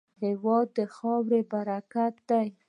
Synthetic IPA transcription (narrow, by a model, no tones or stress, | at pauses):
hewɑd̪ːəxɑwɾebaɾakat̪̚d̪aj